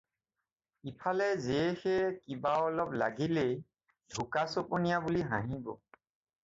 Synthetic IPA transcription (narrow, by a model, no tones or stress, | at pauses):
ipʰalɛzexɛkibaɔlɔpla̰ɡile | dʱukasɔponijabuliɦã̰ɦĩbɔ̰